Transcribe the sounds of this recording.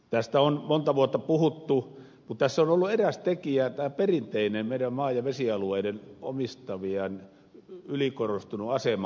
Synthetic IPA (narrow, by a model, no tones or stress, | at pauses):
t̪æst̪æonmont̪ɑʋuot̪ːɑpuhut̪ːu | mut̪t̪æsːonolːueræst̪ekiæt̪æːperint̪einemmeiɾæmmɑːjjɑʋesiɑlueideno̰mist̪ɑʋiɑn | ylikorost̪unuɑsemɑ